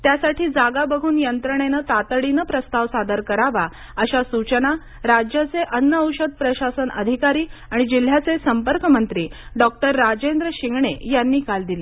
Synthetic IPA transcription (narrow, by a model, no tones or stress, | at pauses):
t̪jasaʈiːd͡zaɡabəɡʱuːnjənt̪ɾəɳ̃enət̪at̪əɽinəpɾəst̪aʋsad̪əɾkəɾaʋa | əɕasut͡ɕəna | ɾad͡ʑjat͡seʔənːəəwɕəd̪̚pɾəɕasənə̰d̪ʱikaɾiːaɽ̃id͡ʑil̤jat͡sesəmpəɾkəmənt̪ɾiːɖɔk̚ʈəɾːad͡ʑend̪ɾəɕiŋɡɳejanːiːkald̪ile